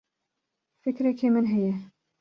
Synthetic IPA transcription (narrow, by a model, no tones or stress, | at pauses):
fɪkɾɛkʰemɨnɦɛjɛ